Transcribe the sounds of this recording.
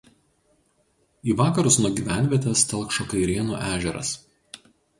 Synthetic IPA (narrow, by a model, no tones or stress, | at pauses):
iːʋɑːkɐɾʊsnuɔɡʲiːʋʲæˑnʲʋʲiɛt̪ʲɛst̪ʲɛlˠˑkʃoːkɐɪɾʲiɛnṵːʔæːʒʲɛɾɐ̰s